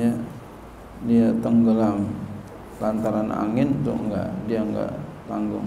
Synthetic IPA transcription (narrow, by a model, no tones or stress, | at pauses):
a | diat̪əŋɡəlam | lant̪aɾana̰ŋɪnnt̪ʊ̰ʔŋɡa̰ʔdiaŋɡa̰ʔt̪aŋɡʊ̰ŋ